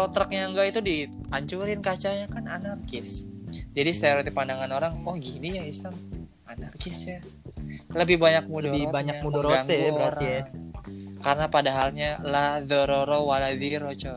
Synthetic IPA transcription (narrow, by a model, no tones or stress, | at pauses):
ɾot̪ɾək̚ɲaŋɡait̪udi | kaɲt͡ʃuɾɪnkat͡ʃaɲakananarkɪsd͡ʒadist̪eɾot̪ipandaŋanoɾaŋɔhɡinijaislam | anarkɪsja | ləbɪhbaɲak̚mudɔaɲamudoɡaŋɡuɾaŋkaɾənapadaɦalɲalahdəɾoɾowalad̪iɾot͡ʃo